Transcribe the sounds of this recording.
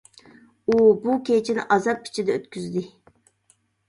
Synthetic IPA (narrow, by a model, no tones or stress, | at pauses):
ubukʲet͡ʃʰinɪ̰ʔɑzɑp̚kʲʰi̥t͡ʃʰid̪ɛøt̪kʲyzd̪ɪ